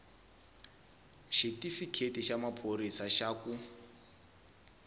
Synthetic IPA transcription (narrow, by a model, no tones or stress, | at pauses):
ʃitifikʰetiʃamapʰoɾisaʃaku